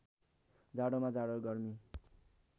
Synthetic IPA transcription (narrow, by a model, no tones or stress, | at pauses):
d͡zaɽomad͡zaɽoɡʌrmi